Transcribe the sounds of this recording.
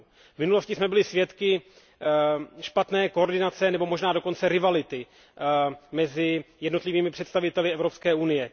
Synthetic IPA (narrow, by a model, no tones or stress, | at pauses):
vmɪnuloscɪsmɛbɪlɪsvjɛt̪kɪ | ʃpat̪nɛːkooɾdɪnat͡sɛnɛbo̞mo̞ʒnaːdo̞ko̞nt͡sɛɾɪvalɪt̪ɪ | mɛzɪjɛdno̞t̪lɪviːmɪpr̥ɛt̪st̪avɪt̪ɛlɪɛvɾo̞pskɛːunɪjɛ